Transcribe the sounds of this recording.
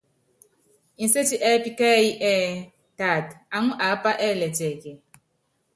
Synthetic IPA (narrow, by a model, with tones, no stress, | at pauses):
i˨˦se˦t͡ʃi˦ʔɛ˦pi˦kɛ˦i˦ʔɛ˦ | ta˦˨ta˦ŋu˦ʔa˨˦pa˦ʔɛ˦˨lɛ˨t͡ʃʼɛː˨kɛ˨